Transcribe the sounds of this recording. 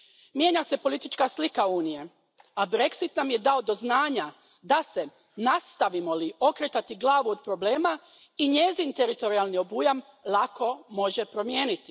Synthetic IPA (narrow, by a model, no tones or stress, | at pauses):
mje̞ɲase̞po̞lit̪it͡ʃkaslikauːnije̞ | abɾe̞ksit̪namje̞d̪aod̪o̞znaːɲa | d̪ase̞ | nast̪aʋimo̞lio̞kɾet̪at̪iɡlˠaːʋuod̪̚pɾo̞ble̞ːma | iɲe̞zint̪e̞ɾit̪o̞ɾialˠnio̞bujam | lˠakʰo̞mo̞ʒe̞pɾo̞mje̞ːnit̪i̥